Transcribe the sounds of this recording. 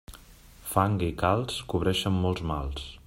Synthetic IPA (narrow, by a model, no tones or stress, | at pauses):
faŋɡikalˠskuβ̞ɾɛʃəmːɔlˠzma̰lˠs